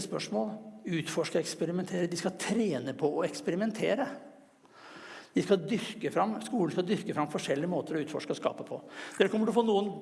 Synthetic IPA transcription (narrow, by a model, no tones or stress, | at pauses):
spœ̰ʂmoːlʉːt̪fɔʂkəɛkspɛɾɪmɛnt̪ʰeːɾəd̪ɪskɑt̪ʰɾeːnəpʰɔɔɛkspɛɾɪmɛnt̪ʰḛːɾə | d̪̥ɪskɑd̪ʏɾkəfɾɑmːskuːl̩skɑd̪ʏɾkəfɾɑmpːɔfɔʂɛlːɪəmoːt̪əɾɔʉːt̪fɔ̰ʂkəɔskɑ̰ːpəpʰɔd̪ɛd̪ɛkʰɔmːəʈɪlɔfoːnuːən